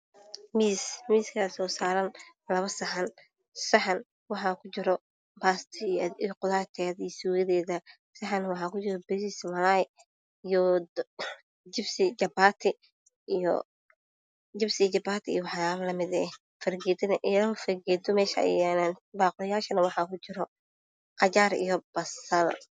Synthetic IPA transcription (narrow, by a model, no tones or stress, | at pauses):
miːsmiːskʰɐsɔːsaːɾɐn | lɐβɐsɐħɐn | sɐħɑn | wɑħɑːkʰʊt͡ʃɪɾɔ | baːst̪ʰːiqʊðaːt̪ʰɛːðɐijsuːɣɐðɛːðɐ | sɐħɑnwɑħɑːkʰʊt͡ʃɪɾɔbɪsɪsmɐlaj | ijɔ | d͡ʒɪbsɪd͡ʒɐbaːt̪ʰɪ | jɔ̰ | d͡ʒɪbsɪt͡ʃɐbaːt̪ʰɪḭjwɑħɑaːβɐlɐmɪðɛ | fɐrɡɛːd̪ɐnɐʔɪːɾɐfɐrɡɛːd̪ʰɔmɛːʃɐ̰jɛnanbaːqʊlɪjaːʃɐnɐwɑħɑkʰʊt͡ʃɪɾɔ | qɑt͡ʃaːɾḭjɔb̥ɐsɐl